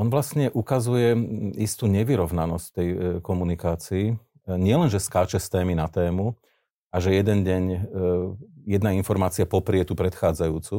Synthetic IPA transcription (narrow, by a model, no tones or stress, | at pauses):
ɔnʋlasɲɛʔukazujɛist̪uːɲɛʋiɾɔʋnanɔscft̪ɛjkɔmunikaːt͡siː | ɲɪɛlɛnʒɛskaːt͡ʃɛst̪ɛːminat̪ɛːmu | aʒɛjɛd̪ɛnɟɛɲ | jɛd̪nainfɔɾmaːt͡siapɔpɾɪɛt̪upɾɛt̪xaːd͡zajuːt͡su